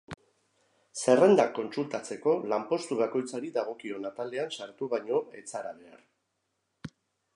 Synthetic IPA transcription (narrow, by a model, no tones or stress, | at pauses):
se̞re̞nd̪akːo̞nsult̪at͡se̞ko̞lampo̞st̪uβako̞jt͡saɾid̪aɣ̞o̞kio̞nat̪ale̞ansaɾt̪uβajɲo̞e̞t͡saɾaβ̞e̞a̰ɾ